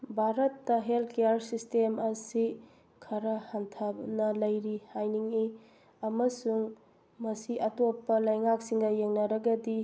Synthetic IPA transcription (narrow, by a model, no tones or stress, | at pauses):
bʱaɾɐtːɐɦeltkejaɾsistemɐsi | kʰɐɾɐhantʰanɐlɐjɾihajniŋi | ɐmɐsuŋ | mɐsiʔɐtopːɐlɐjŋak̚siŋɡɐjeŋnɐɾɐɡɐdi